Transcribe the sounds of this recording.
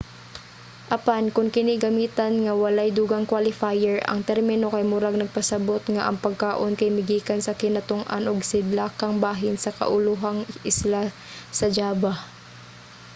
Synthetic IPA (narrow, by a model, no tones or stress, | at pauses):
ʔɐpankʊŋkɪniɡɐmiːt̪ɐnŋɐwɐlajd̪uːɡaŋkwalɪfajɛɹɐ̰ŋt̪ɛɾmɪnokɐjmʊɾaɡ̚nɐɡ̚pɐsɐbot̪ŋaʔɐŋpɐɡ̚kaːʔonkɐjmɪɡiːkɐnsɐkɪnɐt̪ʊŋʔa̰nʔoɡsɪd̪lakɐŋbaːɦɪnsɐkɐ̰ʔʊlʊɦaŋʔɪsla | sɐd͡ʒaːba